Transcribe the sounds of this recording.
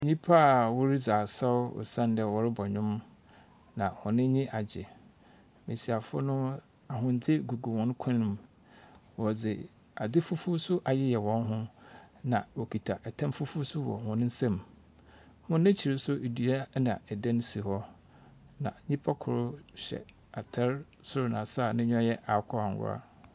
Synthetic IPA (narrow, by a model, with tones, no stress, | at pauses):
ɲĩ˦pʰa˦a˨wɔ˦ɾi˦d͡zaː˨sa˦ʊ̰˨sã˦n˦dɛ˦˨wɔ˨ɾɪ˦bɔ˨ɲʊ̃˦m | nã˨hɔ̃˨nɪ̃˦ɲĩ˦ʔa˨d͡ʑɪ̰˨ | me˨si˨a˨fʊ̰˦nʊ̃˦ | a˨ɦʊ̃˨n˨˦d͡zɪ˦ɡu˨ɡu˨wɔ̃˨n˦kʷʰã˦nʊ̃˨m | wɔ˨d͡zɪ˨ | a˨d͡zɪ˦fʊ˦fʊ˦sʊ˦ʔa˨jɛ˦jɛ˨wɔ̃˦nɦʊ̃˦nã̰˨wɔ˨kʰi˨tʰa˨ʔɛ˨tʰã˦mfʊ˦fu˦sʊ˦wɔ̰˨hʊ̃˨nɪ̃˦n̩˦sã˦m | hʊ̃˦nɪ̃˦t͡ɕʰi˨ɾe˦sʊ˦e˨dɥa˦nã˨ɛ˨dã˦n˦si˨hɔ˦ | nã̰˨ɲĩ˦pʰa˦kʰʊ˨ɾʊ˦ɕɛ̰˨ | a˨tʰɛ˦ɾ | sʊ˦ɾʊ˨nã˨sa˦˨nɪ̃˦ɲᶣɔ̃˦jɛ˦ʔa˨˦kʰɔ˦a˨ŋ˨ɡʊ̰˦a̰˦